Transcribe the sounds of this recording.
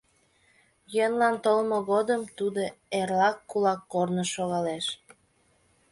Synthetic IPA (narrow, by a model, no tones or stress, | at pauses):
jønlɑnt̪olmoɣod̪əmt̪ud̪oerlɑkːulɑkːornəʃoɣɑleʃ